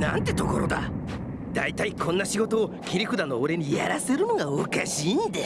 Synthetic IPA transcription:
nã̰nt̪e̞t̪o̞ko̞ɾo̞d̪a̰ | d̪̥ait̪aikʰõ̞nːaɕiɡo̞t̪o̞ːkʲiɾʲikɯ̟d̪ano̞oɾe̞ɲ̟ija̰ɾase̞ɾɯno̞ɡaokaɕiːnd̪e

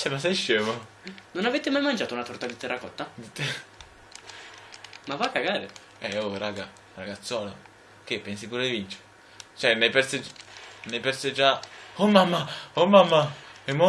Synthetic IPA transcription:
t͡ʃɛmasɛjʃːeːvo | nonavet̪emajmand͡ʒaːt̪ounat̪ɔrt̪ad̪it̪ːɛrːakɔt̪ːad̪it̪ː | mavakːaɡaːɾe | ɛoɾaɡa | raɡat̪sːɔːlo | k̟epːɛnsipuːɾed̪ivint͡ʃe̥ | t͡ʃɛnepɛrsenepɛrsed͡ʒaomːamːaomːamːaɛmːo

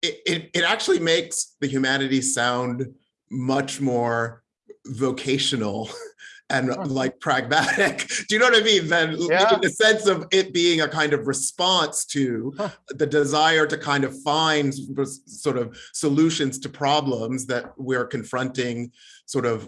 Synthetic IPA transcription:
ɪɾɪɾɨɾæk̚t͡ʃʉl̩ˠimeɪksðɨɦjʉmænɨɾisãʊ̃nd | mʌt͡ʃmɔɹ | voʊkʰeɪʃɨnl̩ˠɨ̃nlaɪk̚pʰɹ̥æɡ̚mæɾɪkd̥ɨjɨnoʊwʌɾɨmiðɨ̃nɪkɪ̃ŋɨsɛ̃nsʌvɪt̚b̥iɪ̃ŋɨkʰãɪ̃ndʌvɹɨspɑ̃nstʰɨ | ðɨdɨzaɪə˞ɾɨkʰãɪ̃ndʌv̥fãɪ̃ndsɔɹɾʌv̥səlʉʃɨ̃nz̥tʰɨpʰɹ̥ɑblə̃mzðɨt̚wɪɹkɨ̃ɱfɹʌ̃ntɪ̃ŋ | sɔɹɾʌv̥

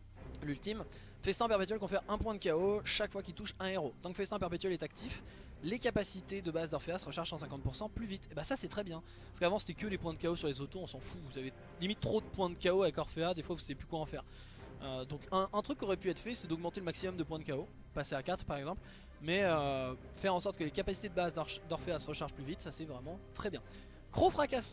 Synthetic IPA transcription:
lylt̪im | fɛst̪ɛ̃pɛʁpet̪ɥɛlkɔ̃fɛʁɛ̃pwɛ̃d̪əkʲaoʃakfwakʲilt̪uʃɛ̃eʁot̪ɑ̃kəfɛst̪ɛ̃pɛʁpet̪ɥɛlɛt̪ak̚t̪if | lekapasit̪ed̪əbazd̪ɔʁfeasəʁəʃaʁʃsɑ̃sɛ̃kɑ̃t̪̚puʁsɑ̃plyvit̪ebasasɛt̪χɛbjɛ̃ | paʁskavɑ̃se̥t̪ɛkəlepwɛ̃d̪əkaosyʁlezot̪oɔ̃sɑ̃fuvusave | limit̪ːχod̪əpwɛ̃d̪əkʲaoavɛkɔʁfead̪efwavusavjeplykwaɑ̃fɛːʁ | ød̪ɔ̃kɛ̃ʔɛ̃t̪χykːɔʁɛpyɛt̪χfɛsɛd̪ɔɡ̚mɑ̃t̪eləmaksimɔmd̪əpwɛ̃d̪əkao | paseakat̪χpaʁɛɡzɑ̃pl | mɛø | fɛʁɑ̃sɔʁt̪̚kəlekapasi̥t̪ed̪əbazd̪d̪ɔʁfeasəʁəʃaʁʒplyvit̪sasɛvʁɛmɑ̃t̪χɛbjɛ̃ | kχofχakʲas

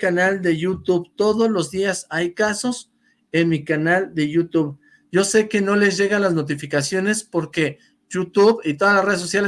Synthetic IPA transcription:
kanald̪e̞ʝut̪uβt̪o̞ðo̞zlo̞zðiasajkaso̞s | enmikanald̪e̞ʝut̪uβ | ɟ͡ʝo̞se̞ke̞no̞le̞zʝe̞ɣalazno̞t̪̬ifikasjo̞ne̞spo̞ɾke̞ | jut̪uβit̪o̞ðalasre̞ðesosjale

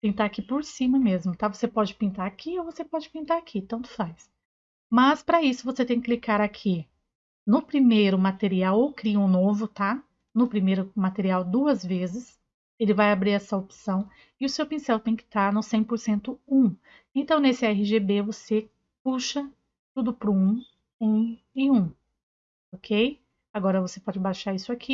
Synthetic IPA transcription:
t̪ẽt̪aakipoɾsĩmɐmezmʊt̪avosepɔd͡ʒɪpĩnt̪aɾakʰiowvosepɔd͡ʒɪpĩnt̪aɾakʰit̪ɐ̃w̃t̪ʊ̥fajs | mɐspɾɐisʊvoset̪ẽj̃kɪklikaɾakʰi | nʊpɾimejɾʊmat̪eɾiawowkɾiɐũnovʊt̪a | nʊpɾimejɾʊmat̪eɾiawd̪uɐzvezɪs | elɪvajabɾiɾɛsɐopsɐ̃w̃ | ɪʊsewpĩsɛwt̪ẽj̃kɪ̥t̪aɾnʊsẽj̃poɾsẽnt̪ʊũ | ẽnt̪ɐ̃w̃nesɪɛɦɪʒebevose | kuʃɐ | t̪ud̪ʊpɾʊũ | ẽ | ẽj̃ũ | okʰej | aɡɔɾɐvosepɔd͡ʒɪbajʃaɾisʊakʰi

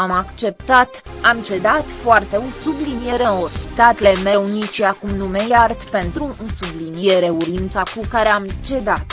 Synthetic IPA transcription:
amakt͡ʃe̞p̚t̪at̪ | amt͡ʃe̞d̪at̪foart̪e̞usublinije̞ɾeorʲt̪at̪lemeunit͡ʃiakumnumejart̪pe̞nt̪ɾusublinie̞ɾe̞uɾint̪sakukaɾe̞amt͡ʃe̞d̪at̪

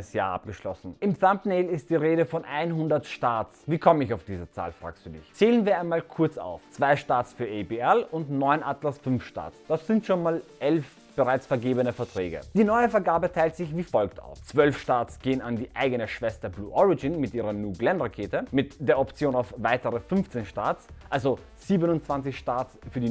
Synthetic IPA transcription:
əsja̰ːɐʔa̰p̚ɡ̥əʃlɔ̰sn̩ʔɪmθampneɪlɪst̚d̥iːʁeːɾəfɔnʔaɪnɦʊndɐtʃtaːt͡sviːkʰɔmənɪçaʊfd̥iːzət͡sa̰ːlfʁ̥a̰ːkstd̥uːdɪ̰çt͡seːlənviːɐaɪnmaːlkʰʊɐt͡sa̰ʊft͡sv̥aɪʃtaːsfyːɐʔɛpeɛlʊntnɔʏnʔatlasfʏnfʃta̰ːt͡sd̥asz̥ɪntʃoːnmaːlʔɛlf | b̥əʁaɪt͡sfɛɐɡeːbənəfɛɐtʁ̥ɛːɡə̰d̥iːnɔʏəfɛɐɡaːbətʰaɪltz̥ɪçv̥iːfɔlkta̰ʊft͡sv̥œlfʃtaːsɡ̥eːənandiːʔaɪɡənəʃv̥ɛstɐblṵːʔɔʁɪɡɪnmɪtʔiːʁɐnuːɡlɛnʁakʰeːtəmɪtd̥eːɐɔpt͡sjoːnaʊfvaɪtəʁəfʏnft͡seːnʃta̰ːtʔalzo | z̥iːbənʊntt͡sv̥ant͡sɪçʃtaːtsfyːɐdi

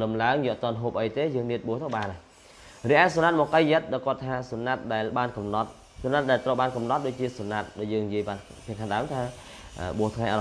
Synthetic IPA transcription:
ləmlaəŋjɔ̆əʔt̪ŏənɦoːp̚ʔəjt̪eːjəːŋniət̪̚ɓuəht̪ʰowɓaːna | riəʔaːsonat̪̚mɔːkəjːəət̪̚ɗaɔjkŏət̪ʰːaːsonat̪̚ɗaɛlɓaːnkɑmnɑt̪̚ | sunːat̪̚ɗaɛlt̪rəwɓaːnkɑmnɑt̪̚ɗoːc̚t͡ɕiəsonat̪̚ɗɔjəːŋnijiəjɓaːnpʰiəkʰaŋɗaəmt̪ʰaː | ʔəːɓuəht̪ʰŋajʔa̰

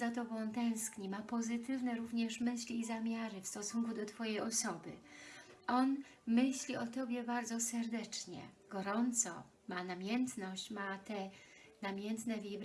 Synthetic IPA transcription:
zat̪ɔbɔ̃w̃t̪ɛ̃w̃skɲimapɔzɘt̪ɘvnɛɾuvɲɛʂmɘɕlʲiːzamʲjaɾɘfst̪ɔsuŋkud̪ɔt̪fɔjɛjɔsɔbɘ̰ | ɔnmɘɕlʲiɔt̪ɔbʲjɛbaɾd̪zɔsɛɾd̪ɛt͡ʂɲɛ̰ɡɔɾɔnt̪sɔ̰ | manamʲjɛnt̪nɔɕt͡ɕmat̪ɛnamʲjɛnt̪nɛvʲjejb

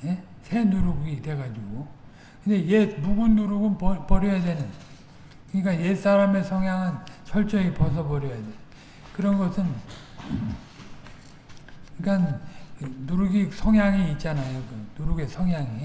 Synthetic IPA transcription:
je | sʰe̞nuɾuɡide̞ɡad͡ʑiɡo | kɯnde̞jemuɡunːuɾuɡunpʌpʌɾjʌjadwe̞nɯn | kɯɲik͈aje̞s͈aɾame̞sʰʌŋɦjaŋɯnt͡ɕʰʌɭt͡ɕ͈ʌipʌs̬ʰʌbʌɾjʌjadenn | kɯɾʌnɡʌsʰɯn | ikanː | uɾuɡisʰʌŋɦjaŋiit̚t͡ɕ͈anajokɯnuɾuɡe̞sʰʌŋɦjaŋi

